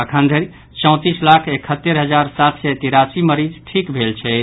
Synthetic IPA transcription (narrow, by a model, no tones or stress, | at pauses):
əkʰãnd̪ʱəɾi | t͡ʃɔ̃w̃t̪islakʰekʰət̪ːeɾɦəd͡ʒaɾsat̪ʰsɛt̪iɾasiməɾid͡ʒʈʰikbʱelt͡ʃʰɛ